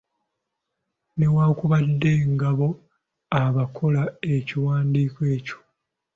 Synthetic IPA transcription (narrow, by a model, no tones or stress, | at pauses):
ne̞waːkuβadːe̞ːŋɡaβo̞ | aβakʰo̞lae̞ciwaːndiːkoe̞ːco̥